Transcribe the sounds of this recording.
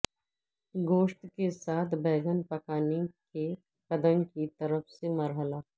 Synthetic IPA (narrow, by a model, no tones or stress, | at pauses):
ɡoːʃʈkesaːt̪ʰbɛːɡənpɐkaːneke | kɐd̪əŋkit̪ɐɾəfsemɐɾɦəla